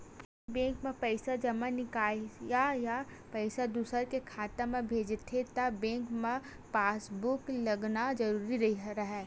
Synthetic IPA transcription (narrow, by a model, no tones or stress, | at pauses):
bẽːkmẽpɛɪsad͡ʒɐmanɪkaːjaja | pɛɪsad̪uːsəɾkekʰaːt̪emẽbʱeːd͡ʒt̪ʰet̪ɐbẽːŋkmẽ | paːsbʊklɐɡnad͡ʒɐɾuːɾiɾɐɦiɾɐɦɛː